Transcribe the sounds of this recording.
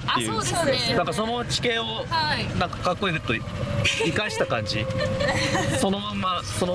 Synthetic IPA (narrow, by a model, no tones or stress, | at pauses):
aːejɯːnãŋkaso̞no̞t͡ɕi̥kẽ̞oanãŋkḁkakːo̞izɯt̪ːo̞i | ikaɕi̥t̪akãɲ̟d͡ʑi | so̞no̞mãmːasono